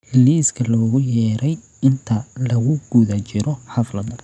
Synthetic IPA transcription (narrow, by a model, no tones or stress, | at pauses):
hɪliːskʰɐlɔːɣʊjɛːɾʔɛj | ɪnt̪ʰɐlɐɣʊɡ̥uðat͡ʃɪɾɔħɐflɐðɐ